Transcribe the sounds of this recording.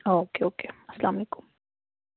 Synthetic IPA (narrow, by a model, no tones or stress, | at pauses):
okeokeaslamiku̥m